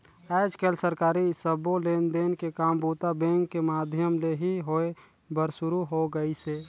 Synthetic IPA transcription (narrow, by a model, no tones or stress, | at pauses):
ɛːd͡ʒkelsəɾkaːɾisəboleːnd̪enkekaːmbuːt̪abẽŋkːemaːd̪ʱjəmleɦiɦoe | bəɾsʊɾuɦoɡəise